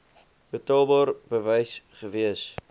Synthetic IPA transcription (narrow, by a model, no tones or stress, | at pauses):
b̥ətɑlˠbɑːrbəvɛjsχəviəs